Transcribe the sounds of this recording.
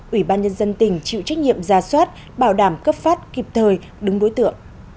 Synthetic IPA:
ʔwi˧˩ɓaː˧nɲə˧nzə˧nt̪ï˨˩ŋ̟t͡ɕḭ˧˨wt͡ɕa˦˥k̟̚ɲḭ˧˨əmzaː˨˩swaː˦˥t̚ | ɓaː˧˩wɗaː˧˩mkə˦˥p̚faː˦˥t̚ki˨˩p̚t̪ʰəː˨˩j | ɗɨ˨˦ŋɗo˨˦jt̪ɨ̰˧˨əŋʔ

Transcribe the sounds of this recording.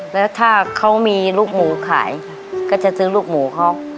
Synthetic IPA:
lɛː˦˥wt̪ʰaː˥˩kʰa˦˥wmiː˧luː˥˩k̚muː˩˦kʰa̰ː˩˦j | kaː˥˩t͡ɕa˨˩sɯː˦˥luː˥˩k̚muː˨˩˦kʰa˦˥w

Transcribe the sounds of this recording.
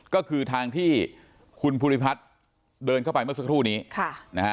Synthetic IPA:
kɔː˥˩kʰɯː˧t̪ʰaː˧ŋt̪ʰiː˥˩ | kʰu˧npʰu˧ɾi˦˥pʰa˦˥t̪̚ | dɤː˧nkʰa˥˩wpa˧jmɯ˥˩ɐsa˦˥kʰɾuː˥˩niː˦˥kʰa˥˩na˦˥˦

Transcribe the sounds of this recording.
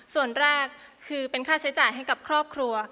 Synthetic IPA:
su˨˩ənɾɛː˥˩kʰːɯː˧pe˧nkʰaː˥˩t͡ɕʰa˦˥jt͡ɕaː˨˩jɦa˥˩jka˨˩p̚kʰɾɔː˥˩p̚kʰɾu˧ɐ

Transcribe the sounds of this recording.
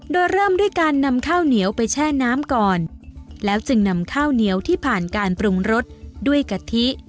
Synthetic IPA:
doː˧jɾɤː˥˩mdu˥˩əjkaː˧nːa˧mkʰaː˥˩wni˩˦əwpa˧jt͡ɕʰɛː˥˩naː˦˥mkɔː˨˩nlɛː˦˥wt͡ɕɯ˧ŋna˧mkʰaː˥˩wni˦əwt̪ʰiː˥˩pʰaː˨˩nkaː˧npɾu˧ŋɾo˦˥t̪̚du˥˩əjka˧t̪ʰi˦˥ʔ

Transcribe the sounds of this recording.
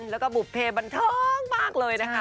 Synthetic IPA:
lɛː˦˥wkɔː˥˩bu˨˩pʰːeː˧ba˧nt̪ʰɤː˧ŋmaː˥˩k̚lɤː˧jna˦˥kʰa˦˥

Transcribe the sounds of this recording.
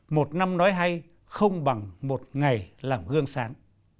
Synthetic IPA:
mo˨˩t̚na˧mnɔ˨˦jɦa˧j | xə˧wŋ͡mɓa˨˩ŋmo˨˩t̚ŋa˨˩jlaː˨˩mɣɨ˧əŋsaː˨˦ŋ

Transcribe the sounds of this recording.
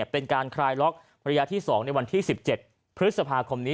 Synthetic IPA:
pe˧nkaː˧nkʰɾaː˧jlɔ˦˥k̚ | ɾa˧jaː˦˧˥t̪ʰiː˥˩sɔː˩˦ŋna˧jwa˧nt̪ʰiː˥˩si˨˩p̚t͡ɕe˨˩t̪̚ | pʰɾt̪̚sa˧pʰaː˧kʰo˧mniː˦˥

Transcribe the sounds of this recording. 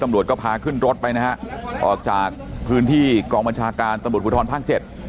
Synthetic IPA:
t̪a˧mɾu˨˩t̪̚kɔː˥˩pʰaː˧kʰɯ˥˩nɾo˦˥t̪̚pa˧jna˦˥ha˦˥ʔʔɔː˨˩k̚t͡ɕaː˨˩k̚pʰɯː˦˥nt̪ʰiː˥˩kɔː˧ŋba˧nt͡ɕʰaː˧kaː˧nt̪a˧mɾu˨˩t̪̚pu˦t̪ʰɔː˧npʰaː˥˩k̚t͡ɕe˨˩t̪̚

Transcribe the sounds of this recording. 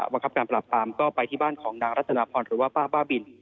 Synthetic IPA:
ba˧ŋkʰa˦˥pkaː˧npɾa˨˩pːɾaː˧mkɔː˥˩pa˧jt̪ʰiː˥˩baː˥˩nkʰɔː˩˦ŋnaː˧ŋɾa˦˥t̪̚ːʰa˧naː˧pʰɔː˧nɾɯː˩˦waː˥˩paː˥˩baː˥˩bi˧n

